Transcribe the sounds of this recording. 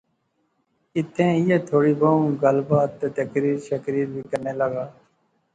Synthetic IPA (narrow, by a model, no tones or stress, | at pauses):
ɪt̪ʰːẽːɪjeːt̪ʰoːɽiːboːũɡəlbaːt̪ːeːt̪əkɾiːɾʃəkɾiːɾbʱiːkəɾneːləɡaː